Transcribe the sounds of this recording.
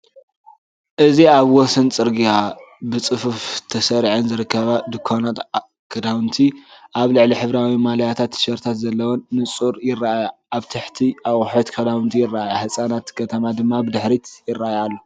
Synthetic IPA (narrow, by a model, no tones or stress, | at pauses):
ʔɨziaβwɔsɐnt͡sʼɨɾɡia | bɨt͡sʼɨfuft̪ʰɐsɐɾʕɨnzɨɾɨkʰːɐβad̪ɨkʰːanat̪ | kʰɐd̪awɨnt̪ʰiʔaβlɨʕliħɨβɾawimalajat̪ʰat̪ːʃɐɾt̪ʰat̪zɐlːɐwonːɨt͡sʼuɾjɪrːaʔaja | aβt̪ʰɨħt̪ʰiʔawʼħot̪kʰɐd̪awɨnt̪ʰijɪrːaʔajaħɨsʼanat̪kʰɐt̪ʰɐmad̪ɨmːabɨd̪ɨħɾit̪jɪrːaʔajalːo